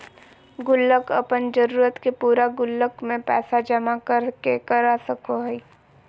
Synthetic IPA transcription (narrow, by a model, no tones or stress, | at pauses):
ɡʊlːəkəpənd͡ʒəɾuːɾət̪kepuːɾaɡʊlːəkmẽpɛ̰ːsad͡ʒɐmakəɾkekəɾasəkoɦɛi